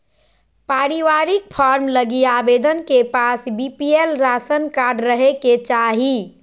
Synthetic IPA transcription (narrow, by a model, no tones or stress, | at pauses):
paɾiʋaɾik̚pʰaɾmləɡiabed̪ənkepasbipielɾasənkaɾɖɾəɦeket͡ʃaɦi